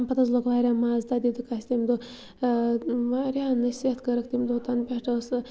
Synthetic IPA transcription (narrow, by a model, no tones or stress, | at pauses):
npɐt̪at͡slokʋaɾʲamazd̪ad̪id̪ukasʲt̪imʲd̪o | ʋaɾʲanɨset̪ʰkəɾəkt̪imʲd̪ot̪anpʲɛʈəs